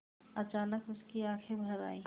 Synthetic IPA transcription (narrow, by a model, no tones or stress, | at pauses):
ɐt͡ʃaːnəkʊskiaːkʰebʱɐɾa̰ːiː